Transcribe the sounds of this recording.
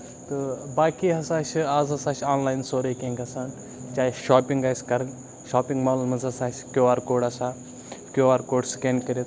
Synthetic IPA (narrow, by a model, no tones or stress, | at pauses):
t̪ɨbaːkiːɦɐsaːʃʰaːzɐsaːʃʰaːnlaːjinsoːɾeːkẽːŋɡɐsaːn | t͡ʃaːiʃaːpiŋɡaːsʲkɐɾ | ʃaːpĩŋɡmaːlulmɐzɐsaːskʲoːaːɾkoːɖɐsaː | kʲoːaːɾkoːɖskeːnkɐɾet̪